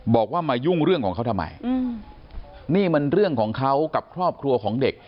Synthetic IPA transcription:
bɔː˨˩k̚waː˥˩maː˧ju˥˩ŋɾɯ˥˩əŋkʰɔː˩˦ŋkʰa˦˥wt̪ʰmːa̰˧˩j | niː˥˩ma˧nɾɯ˥˩əŋkʰɔː˩˦ŋkʰa˦˥wka˨˩p̚kʰɾɔː˥˩p̚kʰɾu˧ɐkʰɔː˩˦ŋde˨˩k̚

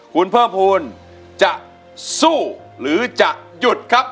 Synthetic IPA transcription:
kʰu˧npʰɤː˥˩pʰuː˧n | t͡ɕa˨˩ʔ | suː˥˩ | ɾɯː˨˩˦t͡ɕa˨˩ʔju˨˩t̪̚kʰa˦˥p̚

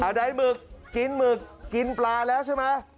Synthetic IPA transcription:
aː˨˩ɗa˧˩jmɨ˨˩ək̚ːi˨˦nmɨ˨˩k̚ːi˨˩nplaː˨˩lɛː˨˦˥wsʰa˨˧˦maː˧˥

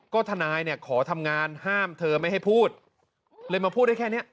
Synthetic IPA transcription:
kɔː˥˩t̪ʰa˧naː˧jni˥˩ɐkʰɔː˩˦t̪ʰa˧mŋaː˧nhaː˥˩mt̪ʰɤː˧ma˥˩jha˥˩jpʰuː˥˩t̪̚ | lɤː˧jmaː˧pʰu˥˩t̪̚da˥˩kʰɛː˥˩ni˦˥ɐ

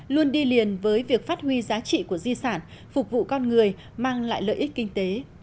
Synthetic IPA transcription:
lu˧ənɗi˧li˨˩ənvəː˨˦jvi˨˩ək̚faː˦˥t̚hwi˧zaː˨˦t͡ɕḭ˧˨ku˧˩əzi˧saː˧˩n | fʊ˨˩k͡p̚vṵ˧˨kɔ˧nŋɨ˨˩əj | maː˧ŋla̰ː˧˨jlə̰ː˧˨ʔi˦˥k̟̚kï˧ŋ̟t̪e˨˦

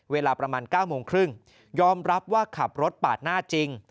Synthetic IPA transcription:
weː˧laː˧pɾa˧maː˧nkaː˥˩wmoː˧ŋkʰɾɯ˥˩ŋ | jɔː˧mɾa˦˥p̚waː˥˩kʰa˨˩p̚ɾo˦˥t̪̚paː˨˩t̪̚naː˥˩t͡ɕi˧ŋ

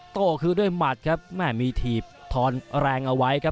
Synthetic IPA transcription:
t̪oː˨˩kʰɯː˧du˥˩əjma˨˩t̪̚kʰa˦˥p̚mɛː˥˩miː˧t̪ʰiː˨˩p̚t̪ʰɔː˧nɾɛː˧ŋʔa˧wa˦˥jkʰa˦˥p̚

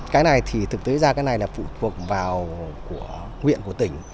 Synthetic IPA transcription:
kaː˨˦jna˨˩jt̪ʰi˨˩t̪ʰɨ˨˩k̚t̪e˨˦zaː˧kaː˨˦jna˨˩jlaː˨˩fṵ˧˨t̪ʰu˨˩ək̚vaː˨˩wku˧˩ə | ŋwḭ˧˨ənku˧˩ə˩t̪ï˧˩ŋ̟

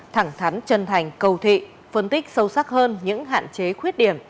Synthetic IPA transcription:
t̪ʰa˧˩ŋt̪ʰa˨˦ŋ̟t͡ɕə˧nt̪ʰa˨˩jŋ̟kə˧˩wt̪ʰḭ˧˨ | fə˧nt̪ï˦˥k̟̚sə˧wsa˦˥k̚həː˧nɲɨ̰˧˥ŋɦa̰ː˧˨nt͡ɕe˨˦xwi˦˥ət̚ɗi˧˩əm

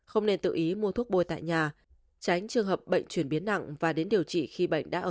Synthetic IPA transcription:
xə˧wŋ͡mne˧nt̪ɨ̰˧˨ʔi˨˦mu˧ət̪ʰu˦˥ək̚ɓo˧jt̪a̰ː˧˨jɲaː˨˩ | t͡ɕa˨˦jŋ̟t͡ɕɨ˨˩əŋɦəː˨˩p̚ɓə̰˧˨jŋ̟t͡ɕwi˧˩ənɓi˨˦ənːa̰˧˨ŋvaː˨˩ɗe˨˦nɗi˨˩əwt͡ɕḭ˧˨xi˧ɓə̰˧˨jŋ̟ɗa̰ː˧˥ʔəː˧˨

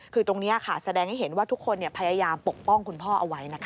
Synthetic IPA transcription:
kʰɯː˧t̪o˧ŋniː˦˥ɐ˨˩kʰa˥˩sa˧dɛː˧ŋha˥˩ɦe˩˦nwaː˥˩t̪ʰu˦˥kʰːo˧nːi˩ɐpʰa˧jaː˧jaː˧mpo˨˩k̚pɔ˥˩ŋkʰu˧npʰɔː˥˩ʔa˧wa˦˥jna˦˥kʰ

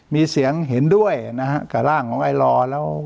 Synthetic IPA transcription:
miː˧si˩˦əŋɦe˩˦ndu˥˩əjna˦˥hʰa˦˥ʔka˨˩laː˥˩ŋkʰɔː˩˦ŋʔa˧jlɔː˧lɛː˦˥w

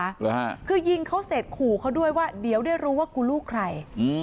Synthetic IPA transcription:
ɾɯ˧˩ɦaː˥˩kʰɯː˧ji˧ŋkʰa˦˥wse˨˩t̪̚kʰuː˨˩kʰa˦˥wdu˥˩əjwaː˥˩di˨˩˦əwdaː˥˩jɾuː˦˥waː˥˩ku˧luː˥˩kʰɾa˧˩jʔɯː˧

